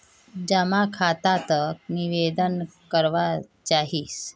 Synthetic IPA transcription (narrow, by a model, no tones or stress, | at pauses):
d͡ʑəmakʰat̪at̪ək̚niʋed̪ənkəɾʋat͡ʃaɦiːs